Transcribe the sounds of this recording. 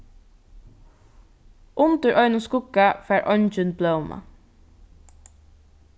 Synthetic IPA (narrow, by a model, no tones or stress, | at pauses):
ʔʊnt̪əɹʔœʏnʊskʊkafæːɹʔœnt͡ʃʏnbloʊma̰